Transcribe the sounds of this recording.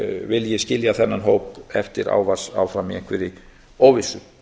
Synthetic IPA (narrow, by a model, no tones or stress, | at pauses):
vɪljɛscɪljaθɛnːanɦoːwpɛft̪ɪɾa̰ːwvar̥sa̰wfɾamiḛ̃hŋkvɛɾɪ | owvɪsʏ